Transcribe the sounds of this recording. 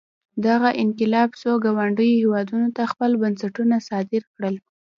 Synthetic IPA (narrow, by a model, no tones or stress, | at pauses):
d̪aɣaʔɪnqɪlɑbsoɡawaɳɖəjohewɑd̪unot̪axpəlbansaʈunasɑd̪ɪɾkɽəl